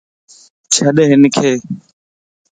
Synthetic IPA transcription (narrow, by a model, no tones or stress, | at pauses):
t͡ʃʰaɗeɦɪnkʰeː